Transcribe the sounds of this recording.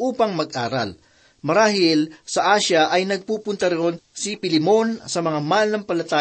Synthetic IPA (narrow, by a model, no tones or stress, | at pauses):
ʔuːpɐŋmɐɡ̚ʔaːɾɐ̰l | mɐɾaːɦɪlsɐʔaːʃɐʔɐjnɐɡ̚puːpʊnt̪ɐɾonsipɪlɪmo̞nsɐmɐŋamalnɐŋpɐlɐt̪aː